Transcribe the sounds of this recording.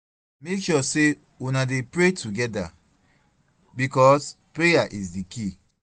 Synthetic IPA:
mekʃɔse | unadepɹetʰuɡɛda̰ | bikɔs | pɹejaʔisdiki

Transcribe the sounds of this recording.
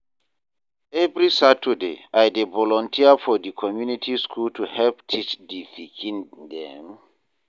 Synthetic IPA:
ɛvɹisatʰədḛajdevɔlɔ̃ntʰiafɔdikʰɔmjunitʰiskʰultʰuhɛlptʰit͡ʃdifikʰĩndɛ̰̃m

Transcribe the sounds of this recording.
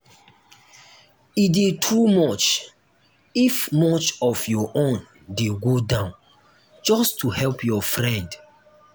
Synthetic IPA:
idetʰumɔt͡ʃ | ifmɔt͡ʃɔfjɔʔõn | deɡodãʊ̃n | d͡ʒɔstuhɛlpʰjɔfɹɛ̃nd

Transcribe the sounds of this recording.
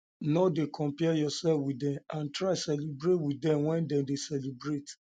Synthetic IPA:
nɔdekʰɔ̃mpɛjɔsɛlfwidɛ̃mãntɹasɛlibɾetwidɛ̃mwɛ̃ndɛ̃mdesɛlibɹet

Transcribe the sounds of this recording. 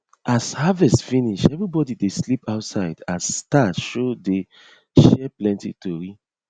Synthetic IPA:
ashavɛstfĩniʃɛvɹibɔdideslipaʊtsaɪdasːtatʃode | ʃɛplɛ̃ntḭtoɹi

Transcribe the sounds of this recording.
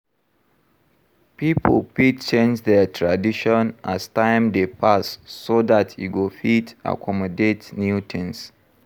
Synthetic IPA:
pipʰəlpit͡ʃẽnd͡ʒdɛtʰɹadiʃɔ̃nastãɪ̃mdepʰasːodatʰḭɡofita̰kʰɔmɔdetnjutʰns

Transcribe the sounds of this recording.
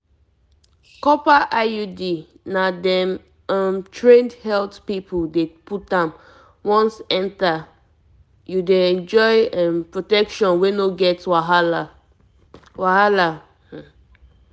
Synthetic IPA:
kɔpaʔajudi | nadɛ̃m | amtʰɹẽndhɛltpipʰuldeput̚ãm | wɔ̃nsɛ̃nta | judeɛ̃nd͡ʒɔɪãmpɹotɛkʃɔ̃nwenoɡɛtwaɦala | wahala

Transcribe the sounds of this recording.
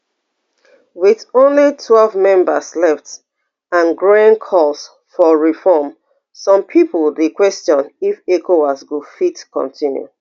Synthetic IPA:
wiðõnlitʰwɛlvmɛ̃mba̰slɛft | ãnɡɹõnkʰɔlˠs | fɔɹifɔm | sɔ̃mpʰipəldekwɛstɔ̃nifekʰowasɡufitkɔ̰̃ntʰĩnjṵ

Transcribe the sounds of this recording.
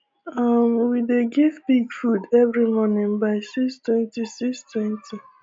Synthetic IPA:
ʌmwideɡivbiɡfudɛvɾimɔnɪ̃ŋbaɪsistwɛ̃ntisistwɛ̃ntʰi

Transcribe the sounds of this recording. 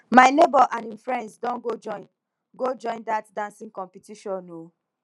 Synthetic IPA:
maɪnebɔʔãnĩmfɹɛ̃ndsdɔ̃nɡod͡ʒɔ | ɡod͡ʒɔ̃ɪ̃ndatdãnsĩŋkɔ̃mpitiʃɔ̃no

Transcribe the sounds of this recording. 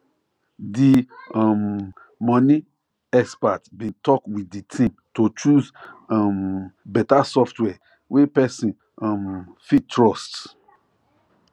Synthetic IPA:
diam | mɔ̃ni | ɛspatbĩtɔkwiditʰĩmtot͡ʃuzambɛtasɔftwɛ | wepɛsĩn | amfitːɹɔst

